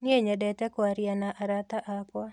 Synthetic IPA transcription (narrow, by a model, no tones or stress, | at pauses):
nɪeɲadɛtɛkwaɾjanaʔaɾat̪aʔapwa